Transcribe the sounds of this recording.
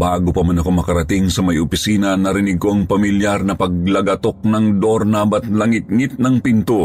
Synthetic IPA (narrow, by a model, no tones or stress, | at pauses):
baːɡopɐmanɐko̞mɐkɐɾɐt̪iŋsɐmɐjʔʊpɪsiːnɐnɐɾɪniɡ̚ko̞ʔɐŋpɐmiljaɾnɐpɐɡ̚lɐɡɐt̪ok̚nɐŋd̪oɾnabɐt̪̚lɐŋɪt̪̚ŋit̪̚nɐŋpint̪o